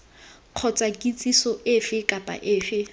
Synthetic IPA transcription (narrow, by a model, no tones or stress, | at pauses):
q͡χʰɔt͡sʼakʼit͡sʼisɔɪfɪkʼapʼa̰ʔɪːfɪ